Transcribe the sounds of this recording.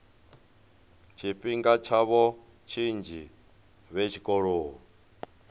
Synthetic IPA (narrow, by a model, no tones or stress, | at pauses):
t͡ʃʰiɸiŋɡat͡ʃʰaβɔ | t͡ʃʰind͡ʒi | βet͡ʃʰikʼɔɺoːɦɔ